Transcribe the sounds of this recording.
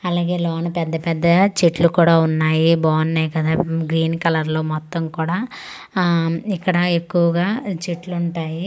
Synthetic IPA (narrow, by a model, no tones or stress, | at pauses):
ɐlaːɡe̞ːloːnɐpɛd̪ːɐpɛd̪ːɐt͡ʃiʈlukuːɽaːunːaːjiboːnːeːjkɐd̪aːɡɾiːnkɐlɐɾlo̞ːmɔt̪ːɐmkuːɽaː | ikːɐɽɐekːuʋɐɡaːt͡ʃiʈluuɳʈaːji